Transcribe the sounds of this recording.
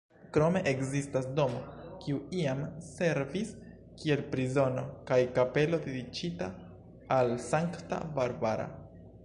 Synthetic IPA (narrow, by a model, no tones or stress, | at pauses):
kɾo̞me̞ʔekzistasdo̞mokiuiamse̞ɾvis | kie̞lpɾizo̞no̞kajkape̞lo̞d̪idit͡ʃitaː | lsaŋkta̰baɾbaɾa̰